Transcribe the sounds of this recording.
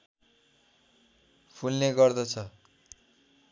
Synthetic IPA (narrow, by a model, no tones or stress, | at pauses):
pʰulneɡʌrd̪ʌt͡sʰʌ